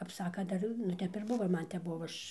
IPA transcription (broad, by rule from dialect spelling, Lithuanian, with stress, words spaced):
kɐp ˈsɑːkɐn ˈdɐr nʊ ˈtʲɛp ɪr ˈbʊʋoː ɪr ˈmɐn ˈtʲɛp ˈbʊʋoː ˈɐʃ